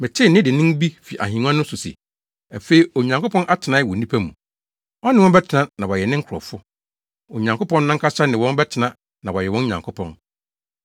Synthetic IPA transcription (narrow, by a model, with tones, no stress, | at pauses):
mɪ̃˨t͡ɕʰɪ˦nɪ̃˦dɪ˨nɪ̃˦m˦bi˦fi˨ʔa̰˨hĩ˨n˦ã˦nʊ̃˦sʊ˨sḭ˨ | a˨fe˦i˨˦o˨ɲã˨ŋko˦pɔ̃˦nʔa˦tʰɪ˨nã˦wɔ˨nĩ˦pʰa˦mṵ̃˨ | ɔ˦nɪ̃˦wɔ̃˦bɛ˦tʰɪ˨nã˦nã˨wɔ˨jɛ˨nɪ̃˦ŋ̩˦kʰɾɔ̰˨fʊ˦ | o˨ɲã˨ŋko˦pʰɔ̃˦nːã˦ŋ̩˦kʰa˦ɕa˦nɪ̃˨wɔ̃˦n˦bɛ˦tʰɪ˨nã˦ | nã˨wɔ˨jɛ˨wɔ̃˦ɲã˨ŋkʰʊ˦pʰɔ̰̃˨n